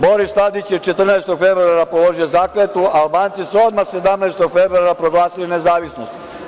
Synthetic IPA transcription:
bo̞ɾist̪ad̪it͡ɕjet͡ʃe̞t̪r̩naest̪oɡfe̞bɾoaɾapolo̞ʒijozaːkɾet̪uaːlbaːnt̪sisuo̞d̪maxse̞d̪amnɛest̪o̞ɡfe̞bɾuaɾapɾo̞ɡlˠaːsiline̞zaːʋisnost̪

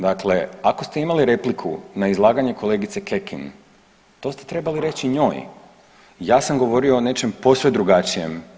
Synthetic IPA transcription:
d̪akle̞ako̞st̪e̞imaliɾe̞plikʰṵnaizlˠaːɡaɲe̞kʰo̞le̞ːɡit̪se̞ke̞kḭn | t̪o̞st̪e̞t̪ɾe̞baliɾe̞t͡ɕiɲo̞ːj | jaːsamɡo̞ʋo̞ɾio̞ːne̞t͡ʃe̞mpo̞sʋed̪ɾuɡat͡ʃije̞m

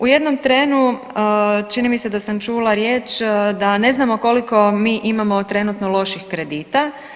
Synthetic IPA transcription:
uje̞d̪no̞mt̪ɾe̞ːnu | ət͡ʃinimised̪asamt͡ʃuːlˠaɾjeːt͡ʃd̪ane̞znamo̞ko̞liko̞miːʔimamo̞t̪ɾe̞nut̪nolˠo̞ʃixkɾe̞d̪iːt̪a

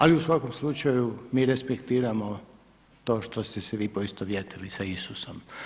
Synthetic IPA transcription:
aliusʋako̞mslut͡ʃajumiːɾespekt̪iːɾamo̞ | t̪o̞ːʃt̪o̞st̪ɛsɛʋiːpo̞ist̪oʋjet̪ilisaisusom

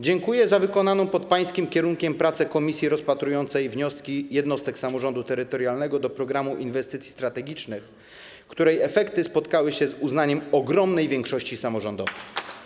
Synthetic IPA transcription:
d͡ʑɛŋkujɛzavɘkɔnanɔ̃w̃pɔt̪̚paj̃skʲimkʲɛɾuŋkʲɛmpɾat̪sɛkɔmʲisʲjiɾɔspat̪ɾujɔnt̪sɛjvɲɔskʲijɛd̪nɔst̪ɛksamɔʐɔnd̪ut̪ɛɾɘt̪ɔɾjalnɛɡɔd̪ɔpɾɔɡɾamuʔinvɛst̪ɘt̪sʲi̥st̪ɾat̪ɛɡʲit͡ʂnɘx | kt̪uɾɛjɛfɛkt̪ɘspɔt̪kawɘɕɛzuznaɲɛmɔɡɾɔmnɛjvʲjɛŋkʂɔɕt͡ɕisamɔʐɔnd̪ɔvɛj

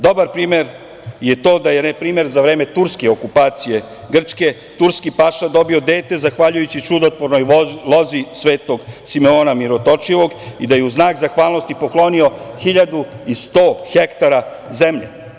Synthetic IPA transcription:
d̪o̞baɾpɾiːme̞ɾ | je̞t̪o̞ːd̪ajenepɾiːme̞ɾzaʋɾe̞ːme̞t̪uɾskeokupaːt̪sije̞ | ɡr̩t͡ʃke̞ | t̪uɾskipaʃad̪o̞bio̞d̪e̞ːt̪e̞zaxʋaʎujut͡ɕit͡ʃud̪ot̪ʋoɾno̞jlo̞zisʋe̞ːt̪o̞ɡsimeoːnamiɾot̪o̞t͡ʂiʋo̞ɡid̪ajeuznaːkzaxʋaːlˠno̞st̪ipo̞klˠo̞nio̞xiʎad̪uist̪o̞ːxekt̪aɾazemʎḛ

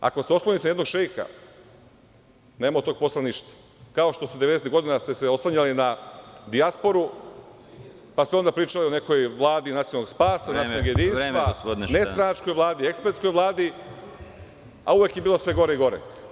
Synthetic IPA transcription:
a̰koseo̞sloɲit̪jed̪no̞ɡʃejka̰ | ne̞ːmat̪o̞ːɡ̚po̞slˠaniʃt̪ḁ | kao̞ʃt̪o̞sud̪ee̞d̪eset̪ɡo̞d̪inast̪eseo̞slˠaɲalinad̪iaspo̞ɾu | past̪eo̞nd̪apɾiːt͡ʃalio̞ne̞ko̞jʋlˠaːd̪inat̪ionalːoɡspaːsanasjoloɡjed̪insʋasd̪nest̪ɾanat͡ʃko̞jʋlˠaːd̪ie̞kspeɾt̪sko̞jʋlˠaːd̪i | a̰uʋekjebiːlˠo̞sʋe̞ɡo̞ɾeiɡo̞ɾḛ

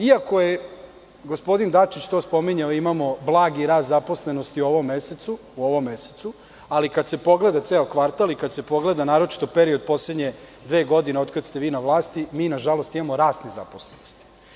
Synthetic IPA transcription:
iako̞je | ɡospo̞d̪ind̪at͡ʂit͡ɕt̪o̞ːspo̞miɲaoimamo̞blˠaːɡiɾaːd̪zapo̞sle̞nost̪iuoʋo̞mːeset̪su | uo̞ʋo̞mːe̞set̪su | alikad̪se̞po̞ɡle̞d̪at̪seːokʋaɾt̪alikad̪se̞po̞ɡle̞d̪anaːɾo̞t͡ʃi̥t̪o̞peɾio̞d̪̚po̞sled̪ɲe̞d̪ʋeːɡo̞d̪ineo̞t̪kad̪st̪eʋiːnaʋlˠaːst̪imiːnaʒalˠost̪imamo̞ɾaːsniza̰po̞slenost̪i̥

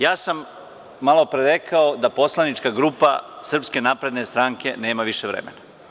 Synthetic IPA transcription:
jaːsamː | alˠo̞pɾeɾekʰaod̪apo̞slˠanit͡ʃkaɡɾuːpa̰sr̩pske̞naːpɾe̞d̪ne̞st̪ɾaːŋke̞ne̞ːmaʋiʃeʋɾḛmḛna

